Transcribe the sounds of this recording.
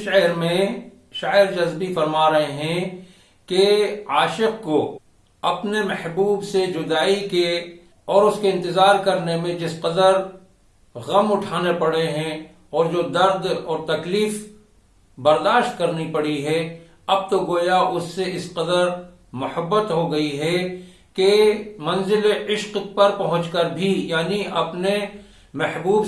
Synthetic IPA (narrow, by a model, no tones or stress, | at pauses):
ʃɛɦɾmẽ | ʃaːɪɾd͡ʒɐzbifɐɾmaːɾɐɦeɦɛ̃ | keaːʃɪqko | ɐpnemɛhbuːbsed͡ʒʊd̪aːike | ɔːɾʊskeɪ̃nt̪ɪzaːɾkɐɾnemẽd͡ʒɪsqəd̪əɾ | ɣɐmʊʈʰaːnepɐɽeɦɛ̃ | ɔːɾd͡ʒoːd̪ɐɾd̪ɔːɾt̪ɐkliːf | bɐɾd̪aːʃt̪kɐɾnipɐɽiɦɛ | ɐb̚t̪oɡoːjaʔʊsːeɪsqəd̪əɾ | mʊhəbːət̪ɦoɡɐiɦɛ | kemɐ̃nzɪleʔɪʃqpɐɾpɐɦʊ̃t͡ʃkəɾbʱijaːniʔɐpne | mɛhbuːb